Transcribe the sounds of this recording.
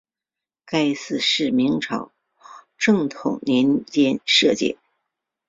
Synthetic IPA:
ka˥ɪsɹ̩˥˧ʂɻ̩˥˩mi˧˥ŋʈ͡ʂʰɑ̰˨˩ʊ | ʈ͡ʂɤ˥˩ŋt̪ʰʊ˨˩ŋnjɛ˧˥nt͡ɕjɛ˥nʂɤ˥˧t͡ɕjɛ̰˥˩

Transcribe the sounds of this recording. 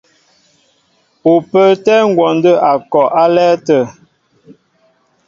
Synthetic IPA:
u˨pə˦˨tɛ˦ŋ̩˦ɡwɔ˨ndə˦ʔa˨kɔ˨ʔa˦lɛ˦tə˨

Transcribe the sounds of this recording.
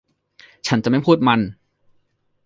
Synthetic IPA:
t͡ɕʰa˦˥nt͡ɕa˨ma˥˩jpʰuː˥˩t̪̚ma˧n

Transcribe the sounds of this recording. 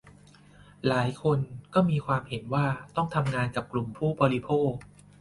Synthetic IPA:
laː˩˦jkʰo˧nkɔː˥˩miː˧kʰwaː˧mhe˩˦nwaː˥˩t̪ɔ˥˩ŋt̪ʰa˧mŋaː˧nka˨˩p̚klu˨˩mpʰuː˥˩bɔː˧ɾi˦˧pʰoː˥˩k̚

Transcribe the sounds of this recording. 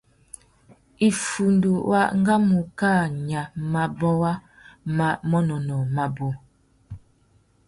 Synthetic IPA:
i˨fu˨ndu˨wʔa̰˦ŋ˦ɡa˦mu˨kaː˦˨ɲa˨ma˨bɔ˦wa˦ | ma˨mɔ˦nɔ˨nɔ˨ma˨bo˨

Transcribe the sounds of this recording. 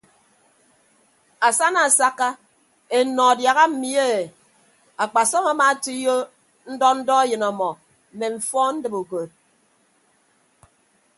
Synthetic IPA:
a˨sa˦na˨a˨sa˦ka˦ | e˨nɔ˨a˨dja˨ɣa˦m̩˦mi˦e˦e˨ | a˨k͡pa˨sɔ˦ma˨ma˨˦ti˦jo˦ | n̩˦dɔ˦n̩˦dɔ˦e˦jɨ˨nɔ˨mɔ˨ | m̩˨me˨ɱ̩˨fɔ˦n̩˦dɨ˨bu˨ko˨t̚

